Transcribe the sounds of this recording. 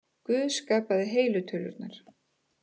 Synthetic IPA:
kvʏːðskaːpaðɪɦeːjlʏt̪ʰʏːlʏ̰ɾt̪naɾ̥

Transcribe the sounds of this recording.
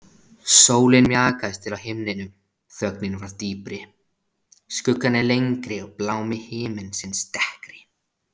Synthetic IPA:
soːwlɪnmjaːkaðɪst̪ʰɪlawɦɪmnɪnʏm | θœk̚nɪnvaɾt̪iːpɾɪ | skʏkːanɛlejŋkɾɪɔɣplaːwmɪhɪːmɪnsɪnst̪ɛhkɾɪ̥

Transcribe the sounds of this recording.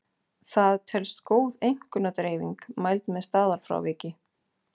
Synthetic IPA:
θaðt̪ʰɛlst̪koːwðejŋ̥kʏnat̪ɾeːjviŋkmajlt̪mɛðst̪aːðaɾ̥fɾa̰wvɪːcɪ

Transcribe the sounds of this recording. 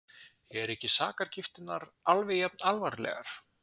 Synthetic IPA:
ɛɛɾɛhcɪsaːkaɾ̥cɪft̪ɪnːaɾalvɪɛpnalvaɾlɛ̰ɣa̰ɾ̥

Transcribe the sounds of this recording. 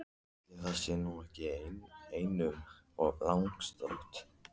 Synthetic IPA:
tɪθasɪnuɛhcɪeːjnejnʏm | ɔɣlawŋkst̪ɔ̰ht̪

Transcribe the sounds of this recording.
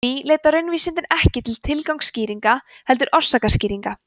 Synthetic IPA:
ileːt̪aɾʏnviːsɪnt̪ɪnɛhcɪt̪ʰɪlt̪ʰɪlkawŋksciːɾiŋka | hɛl̪t̪ʏɾʔɔr̥saːkasciːɾiŋka

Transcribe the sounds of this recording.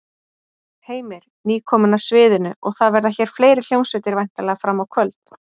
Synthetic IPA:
heːjmɪɾ̥niːkʰɔːmʏnasvɪːðɪnʏʔɔɣθaðvɛɾðaçɛːɾ̥fleːjɾɪl̥joːwnsvɪt̪ɪɾvajn̥t̪alɛɣafɾamːawkʰvœlt̪

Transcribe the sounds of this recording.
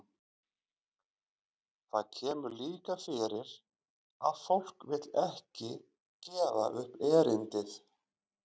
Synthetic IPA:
θaðcʰɛːmʏɾliːkafɪɾɪɾ | a̰ðfowl̥kvɪt̪lɛhcɪ | cɛːva̰ʔʏhpɛːɾɪnt̪ɪθ

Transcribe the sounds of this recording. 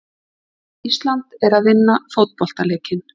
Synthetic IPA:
ist̪lant̪ɛɾaðvɪnːafowt̪̚pɔl̥t̪aleːjcɪn

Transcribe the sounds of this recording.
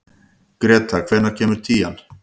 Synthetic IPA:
kɾɛːt̪ʰakʰvɛːɾnaɾ̥cʰɛːmʏɾ̥t̪ʰiːan

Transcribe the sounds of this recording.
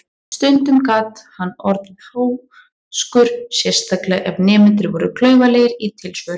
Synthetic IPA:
st̪ʏnt̪ʏmkaːt̪hanːɔɾt̪ʏhoːw | skʏɾsjɛr̥st̪ʰaklɛɣʔɛvnɛːmɪnt̪ɾɪvɔɾʏkʰlœːɥvaleːjɪɾit̪ʰɪlsvœɾʏ

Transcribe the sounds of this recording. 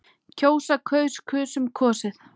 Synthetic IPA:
cʰoːwsakʰœːɥskʰʏːsʏmkʰɔːsɪθ

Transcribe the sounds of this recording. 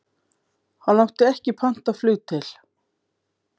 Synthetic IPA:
hanlawht̪ɪɛhcɪpʰan̥t̪aðflʏːt̪ʰɪl

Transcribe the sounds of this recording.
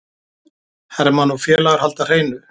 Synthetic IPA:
hɛɾmanɔfjɛːlaɣaɾ̥halt̪ar̥eːjnʏ

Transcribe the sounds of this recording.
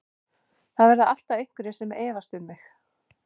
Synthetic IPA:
θaðvɛɾðaal̥t̪avejŋ̥kʏɾɪsɛmɛːvast̪ʏmːɪx

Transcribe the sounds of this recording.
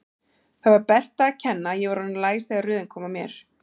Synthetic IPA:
θavaɾpɛr̥t̪aːcʰɛnːajɛvaɾanlaːjsθeɣarʏːðɪnkʰɔːmamjɛɾ̥

